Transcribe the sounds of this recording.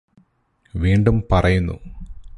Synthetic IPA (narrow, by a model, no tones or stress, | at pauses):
ʋiːɳɖumpɐrɐjunːṵ